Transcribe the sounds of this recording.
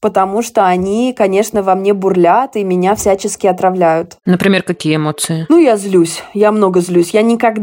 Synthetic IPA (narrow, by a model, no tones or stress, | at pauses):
pət̪ɐmuʂt̪o̞ɐnʲikɐnʲe̞ʂnəvɐmnʲe̞bʊrlʲat̪ɨmʲɪnʲafsʲæt͡ɕɪskʲɪɐt̪ɾɐvlʲæjʊt̪nəpɾʲɪmʲerkɐkʲijəɪmo̞t̪sɨɪnujazlʲusʲjamno̞ɡəzlʲusʲjanʲɪkɐɡd̪